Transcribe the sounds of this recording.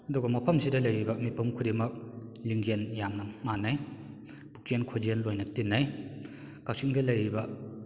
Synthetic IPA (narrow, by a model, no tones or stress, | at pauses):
ɐduɡɐmɐpʰɐmsidɐlɐjɾibɐmipʰɐmkʰuɾimɐk̚liŋɡenjamnɐmanːaj | pu̥k̚enkʰod͡ʒenlojnɐtinːaj | kawsiŋdɐlɐjɾibɐ